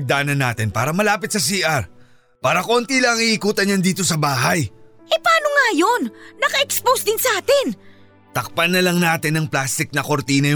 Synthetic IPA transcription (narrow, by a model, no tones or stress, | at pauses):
ɡ̚d̪aːnɐnːa̰ːt̪ɪnpaːɾɐmɐlaːpɪt̪̚sɐs̬iːʔɐɾ | paːɾɐkoont̪ilɐɐŋiʔːkuːt̪ɐnjand̪iːt̪o̞sɐbaːɦɐj | ʔɛpɐaːnoŋajonːɐkɐʔɛkspowsd̪ɪnsɐʔaːt̪ɪn | t̪ɐk̚pɐnːɐlɐŋnaːt̪ɪnːɐŋplaːst̪ɪk̚nɐko̞ɾt̪iːnɐj